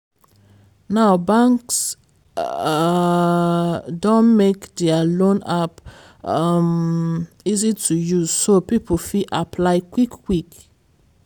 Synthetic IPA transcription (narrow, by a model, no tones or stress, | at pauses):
naʊbãŋks | dõnmekdɛalõnap | m | izitʰujuzsopipʰəfiʔapʰlaɪkwikːwik